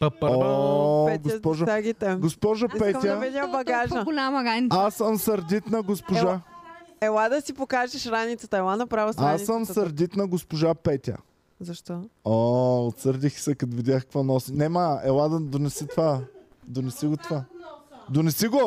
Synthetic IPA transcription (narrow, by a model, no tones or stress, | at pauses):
po | ɡospɔʒɐaɡit̪ɛɡospɔʒɐpɛmjəvɛd̪ʲabɐɡaʒəɡolʲamɐɡaasːəmsɐɾd̪ʲit̪nɐɡospoʒa | ɛlˠad̪ɐsipokaʒɛʃɾanit̪sət̪əɛlˠanɐpɾavəsasɐmsɐɾd̪ʲit̪nɐɡospoʒapɛt̪ʲə̰ | zɐʃt̪ɔoot̪səɾd̪ixsɛkɐt̪ʊvid̪ʲaxkə̥kvɔnɔsinɛməɛlˠad̪ɐd̪onɛsit̪va | d̪onɛsiɡot̪ovad̪onɛsiɡo